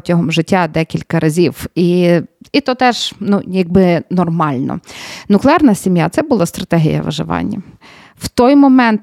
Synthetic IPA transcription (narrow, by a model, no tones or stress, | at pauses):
tʲɐɦɔmʒɪtʲːad̪ɛkʲilʲkɐɾʔɐzʲiwiit̪ɔt̪ɛʒ̥nujɐɡ̚bɪnɔrmɑlʲnɔ̰nʊklˠɪɑrnɐsʲimjat̪sɛbʊlˠɑst̪ɾɐt̪ɛɦʲḭjɐ̰ʋɐ̰ʒɪ̰ʋɑ̰nʲːɐ̰ | w̥t̪ɔjmɔmɛnt̪